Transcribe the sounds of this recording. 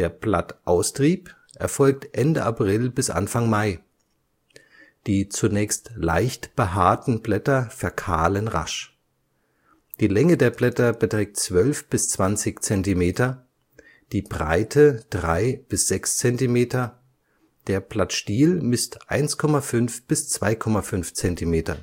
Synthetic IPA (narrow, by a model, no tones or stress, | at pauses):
d̥eːɐplatʔaʊstʁ̥iːp | ʔɛɐfɔlk̚tʔɛndəʔapʁ̥ɪlbɪsʔa̰nfaŋmaɪ | d̥iːt͡sunɛːçstla̰ɪçtb̥əɦaːɐtn̩blɛtɐfɛɐkʰa̰ːlənʁa̰ʃ | d̥iːlɛŋədeːɐblɛtɐbətʁ̥ɛːk̚tt͡sv̥œlfb̥ɪst͡sv̥ant͡sɪçt͡sɛntimeːtɐ | d̥iːbʁa̰ɪtʰəd̥ʁaɪb̥ɪsz̥ɛkst͡sɛntimeːtɐ | d̥eːɐpl̥atʃtiːlmɪstʔa̰ɪnskʰɔmafʏnfb̥ɪst͡sv̥aɪkʰɔmafʏnft͡sɛntimeːtɐ̰